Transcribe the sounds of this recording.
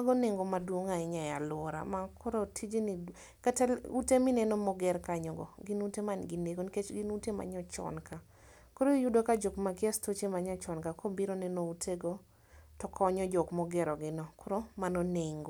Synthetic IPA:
maɡɔneŋɡomadwoŋaɪɲajalɔɾa̰makʰɔɾotʰid͡ʒini | katalutemɪnɛnomɔɡɛɾkaɲɔɡɔ̰ɡɪnutemanɡɪneɡonket͡ʃɡinutema̰ɲɔt͡ʃɔ̰nka | koɾojudokad͡ʒokmakjɛstot͡ʃemaɲɔt͡ʃɔnkakʰobiɾonɛnoutʰeɡɔ | tɔkʰɔɲɔd͡ʒɔkmɔɡɛɾɔɡɪnɔkoɾomanoneŋɡo

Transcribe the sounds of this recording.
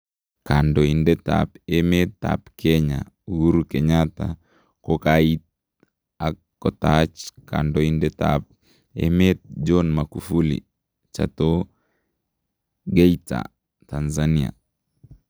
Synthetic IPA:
kandoindeta̰pemet̪ːa̰pkʰɛɲa̰ | wuɾukeɲata | kokait̚ | a | ɔtat͡ʃka̰ndoindeta̰p̚ | ḛmet̪̚d͡ʒonmakufulḭ | t͡ʃa̰to | ɡejta̰ | tanzania̰

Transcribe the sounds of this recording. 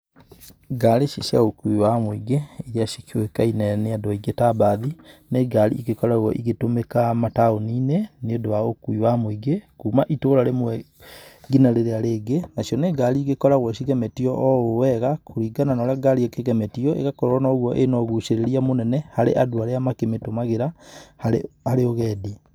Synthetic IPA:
ɡaɾeʃiʃia̰okuiwamoiɡeiɾiaʃikiwekainɛneadɔiɡetabaðineɡaɾḭʔːɣekɔɾaɣɔ̰ʔiɣetomekamataoniːneneodowaokuiwamoiɡekumaʔitoːɾaɾemwɛ | ɡinaɾeɾeaɾeːɡenaʃiɔneɡaɾiːɣekɔɾaɣwɔsiɣɛmɛtiɔʔɔowɛɣakʰoɾiɡananɔɾaɡaɾiekeɣɛmɛtiɔʔḛɣakɔɾɔnaoɣwɔʔenɔɣuʃeɾeɾiamonɛnɛhaɾeʔadoaɾeamakemetomaɣeɾahaehaɾeoɣɛːdi

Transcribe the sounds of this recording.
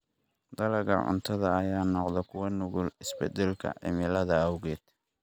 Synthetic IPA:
d̪ɐlɛɣɐ̰ʕʊ̰nt̪ʰɐðɐːjaːnɔqðɛkʰʊwɐnʊɣʊlɪsbɛd̪ɛlkʰɐ̰ʕɪ̰mɪlɐðɐɐwɣɛːd̪̥

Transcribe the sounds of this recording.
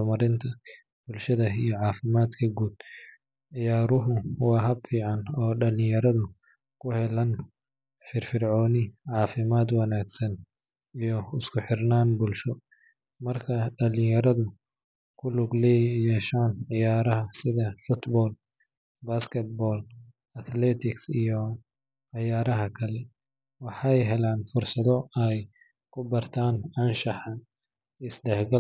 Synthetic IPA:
ɔmɐɾɪnt̪ʰɐ | b̥ʊlʃɐðɐijɔʕɑːfɪmaːd̪kʰɐɡuːd̪ | ʕɪjaːɾʊɦʊwɑːɦɐbfiːʕɑnɔːɖɐlɪjɐɾɐðʊ | kʰʊhɛlɐn | fɪrfɪrʕɔːnɪʕɑːfɪmaːd̪wɐnaːɡsɐn | ijɔɪskʰʊħɪrnaːnbʊlʃɔ | mɐrkʰɐɖɐlɪjɐɾɐðʊ | kʰʊlʊɡlɛjjɛːʃaːnʕɪjaːɾɐɦɐsɪðɐfʊt̪bɔːl | baːskʰɛt̪̚bɔːl | ɐt̪ʰlɛːt̪ʰɪksijɔ | ʕɑjaːɾɐɦɐkʰɐlɛ | wɑħɑjɦɛlaːnfʊrsɐðɔɛj | kʰʊbɐrt̪ʰaːnɐnʃɑħɑ | ɪsɖɛħɡɐ

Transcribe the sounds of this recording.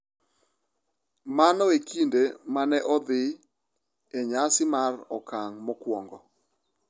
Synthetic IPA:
manɔekʰindemanɛʔɔd̪ɪ | eɲasɪmarɔkaŋmɔkwɔŋɡɔ

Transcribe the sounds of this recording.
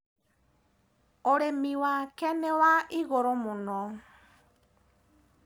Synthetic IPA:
ɔɾemiwakɛnɛwaʔiɣɔɾɔmunɔ

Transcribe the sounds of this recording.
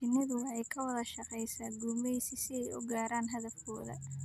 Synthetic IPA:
ɪnːɐðʊɛjkʰɐwɐðɐʃɑqɛjsaːɡumɛjsɪsɪɛjʊ̰ɡaːɾaːnɦɐðɐfkʰɔːðɐ̰

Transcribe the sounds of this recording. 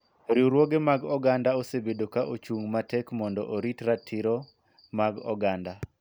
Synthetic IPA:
ɾiɾwoɡemaɡɔɡandaosebedokaʔot͡ʃuŋmatɛkmɔndɔʔoɾitɾatʰiɾɔ | maɡɔ̰ɡanda

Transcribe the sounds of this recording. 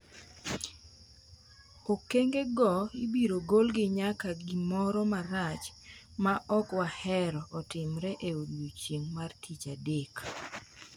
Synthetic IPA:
okeŋɡeɡɔibiɾoɡolɡɪɲakaɡɪmɔɾɔmaɾat͡ʃ | maʔɔkwahɛɾɔʔːtɪmɾɛʔeodwot͡ʃiŋmartʰit͡ʃadek

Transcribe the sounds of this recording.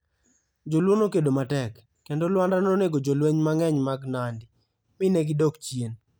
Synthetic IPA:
d͡ʒolwonokedomatɛkː | endolwandanoneɡod͡ʒolweɲmaŋɛɲmaɡnandɪ | mɪnɛɡɪdokt͡ʃjen

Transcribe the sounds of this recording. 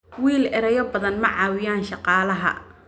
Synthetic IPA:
wiːlɛɾɛjɐbɐðɐnmɐʕɑːwɪjaːnʃɑqɑːlɐɦɐ̰

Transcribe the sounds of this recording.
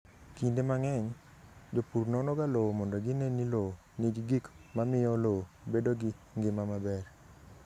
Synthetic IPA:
kindemaŋɛɲ | d͡ʒopuɾnɔnɔɡalowmɔndɔɡɪnenilo | niɡɪɡikmamɪjɔlobedoɡɪŋɡɪmamabɛr

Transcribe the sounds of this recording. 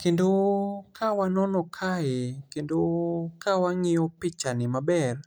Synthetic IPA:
kendokʰawanɔnɔkʰaekendokawaŋɪɔpɪt͡ʃanɪmabɛr

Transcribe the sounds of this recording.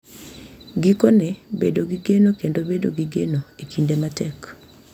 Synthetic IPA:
ɡikonɛbedoɡiɡenokendobedo̰ɡiɡenoekindematɛk

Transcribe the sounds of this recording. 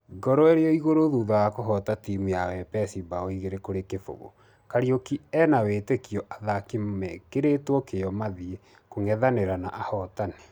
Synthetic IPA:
ɡɔɾɔeɾeɔiɣoɾoðuːðajakoɦɔtatimijawɛpɛsibaɔiɣeɾekoɾekefo̰ɣo̰ | kaɾiokiɛnawetekiɔʔaðakimmɛkeɾetwɔkejɔmaðie | koŋɛðaneɾanaʔahɔtane̥

